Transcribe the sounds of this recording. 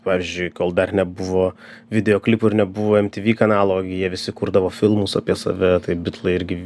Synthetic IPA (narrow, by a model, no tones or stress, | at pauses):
pɑːʋʲiːzʲd͡ʒʲʊɪkoːlˠd̪ɐrnʲɛbʊʋoː | ʋʲɪd̪ʲɛjoːklʲɪpʊɪɾnʲɛbʊʋoːɛmʲt̪ʲiːʋʲiːkɐnɑːlˠoːɡʲɪjiɛʋʲɪsʲɪkuɾd̪ɐʋoːfʲɪlˠmusɐ̰pʲiɛsɐ̰ʋʲɛt̪ɐɪbʲɪt̪lˠɐɪɪɾʲɡʲɪ